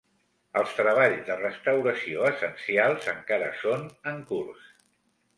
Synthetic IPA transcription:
əlˠst̪ɾəβ̞aʎzd̪ərəst̪əwɾəsioəsənsialˠzəŋkaɾə̰sonəŋkurs

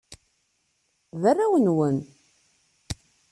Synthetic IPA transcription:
ðærːawənwən

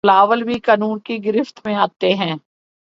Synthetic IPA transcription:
laːʋəlbʱikaːnuːnkiɡɪɾɪft̪mẽaːt̪eɦɛ̃ː

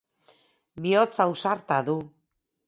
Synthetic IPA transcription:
biot͡sawsaɾt̪aðu

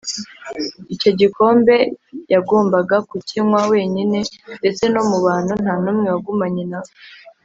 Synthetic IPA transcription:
ico̞ɟiko̞ːmbe̞jaɡoːmbaɡakucinwawe̞ːɲine̞nde̞t͡se̞no̞muβaːn̥hun̥haːnuːmŋewaɡumaɲinao

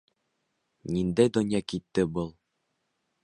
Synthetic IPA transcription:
nind̪æjd̪ŏnjɑkit̪ːɘbɤlˠ

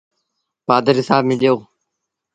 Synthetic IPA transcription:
baːd̪əɾɦɪsaːbmɪ̃ɗijoː

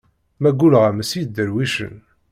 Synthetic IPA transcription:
mæɡʷulʁæməsid̪əɾwiʃə̰n

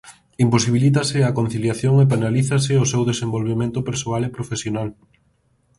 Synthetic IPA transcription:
imposiβilit̪̬asɪakon̟θiljaθjoŋep̬enaliθas̬ɪosewðesembolβemẽnt̪ʊpeɾsoalepɾofesjonal

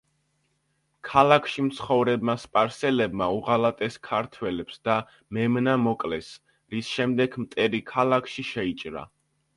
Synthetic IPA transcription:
kʰalakʰʃimt̪sʰχɔvɾɛbmaspʼaɾsɛlɛbmauʁalat̪ʼɛskʰaɾt̪ʰwɛlɛpsd̪a | mɛmnamɔkʼlɛs | ɾisʃɛmd̪ɛɡmt̪ʼɛɾikʰalˠakʰʃiʃɛit͡ʃʼɾa̰

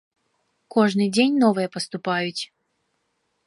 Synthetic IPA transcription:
kɔʐnɨjd͡zʲenʲnɔvɨjɛpəst̪ʊpajʊt͡sʲ

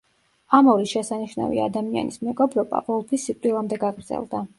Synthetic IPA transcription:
amɔɾisʃɛsaniʃna̰vḭa̰d̪amia̰nismɛɡɔbɾɔba̰vɔlˠpʰisːit̪ʼwilˠamd̪ɛɡaɡɾd̪zɛ̰lˠd̪a

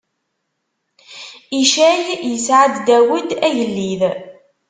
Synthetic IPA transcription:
iʃæjjəsʕad̪ːæwəd̪æjəlːið

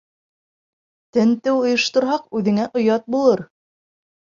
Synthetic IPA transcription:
t̪ɘnt̪ɘwŏjɤ̆ʃt̪ŏɾɦɑqʉðɘ̆ŋæʔŏjɑt̪̚bulˠɤɾ

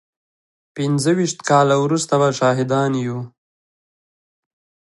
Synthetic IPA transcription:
pɪnzəwiʃt̪kɑːlawɾust̪abaʃɑːɦɪd̪ɑnju

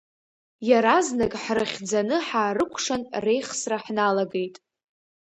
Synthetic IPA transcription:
jaɾaznakʼħrɨχʲd͡zanɨħaːrɨkʷʰʂanre̞jχsraħnalaɡe̞jtʼ

